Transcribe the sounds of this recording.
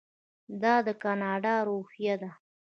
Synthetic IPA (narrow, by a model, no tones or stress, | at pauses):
d̪ɑd̪əkɑnɑɖɑɾohjad̪a